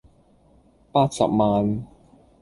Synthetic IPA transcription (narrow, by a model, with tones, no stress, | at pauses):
paː˥t̚sɐ̰˨p̚maː˨n